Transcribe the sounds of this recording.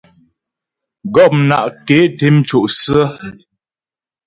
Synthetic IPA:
ɡɔ˦˨p̚mna̰˦˨ʔke˨˦te˦m˦t͡ʃo˨ʔsə˦

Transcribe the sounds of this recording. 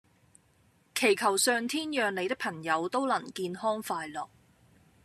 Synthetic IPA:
kʰe˨˩jkʰɐ˨˩wsœː˨˧ŋt̪ʰiː˥njœː˨ŋle˨˧jt̪ɪ˥pʰɐ˨˩ŋjɐ˨˧wt̪o˥wlɐ˨˩nkiː˧nhɔː˥ŋfaː˧jlɔː˨k̚

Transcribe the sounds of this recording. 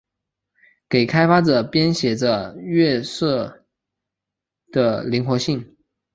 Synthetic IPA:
ke˨˩ɪkʰa˥ɪfa˥ʈ͡ʂɤ˨˩pjɛ˥nɕjɛ˨˩ʈ͡ʂə˦ɥɛ˥˧sɤ˥˩ | d̪̥ə˩li˧˥ŋxwɔ˧˥ɕi˥˩ŋ

